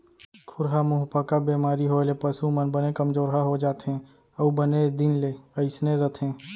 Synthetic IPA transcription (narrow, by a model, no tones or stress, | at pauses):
kʰʊɾɦamʊɦpakabeːmaːɾiɦoːlepəsumənbənekəmd͡ʒoːɾɦaɦod͡ʒaːt̪ɦɛ̃ | əubəned̪ɪnleəɪsneɾət̪ʰẽː